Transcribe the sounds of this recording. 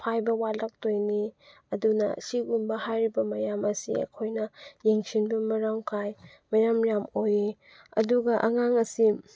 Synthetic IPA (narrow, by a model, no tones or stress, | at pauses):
pʰajbɐwalɐk̚tojni | ɐdunɐ̰siɡumbɐhajɾibɐmɐjamɐsḭɐ̰kʰojnɐjeŋsinbɐmɐɾaŋkʰaj | mɐjamjamoji | ɐ̰duɡɐʔɐ̰ŋaŋɐsi